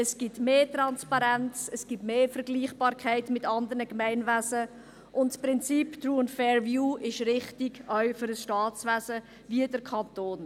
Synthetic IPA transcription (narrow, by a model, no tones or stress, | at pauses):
əsɡ̥itmeːtɾɑnspɑɾɛnt͡səsɡ̥itmeːfəɾɡliːχb̥ɑːɾkʰaɪtmɪtɑndəɾnəkmɛɪnvæzə | ʔʊntspɾɪnt͡siːptɹuːənfɛːɹvjuːɪʃɾɪχtɪɡœʏfʏɾəsʃtɑːt͡svæzə | viədəɾkʰɑntoːn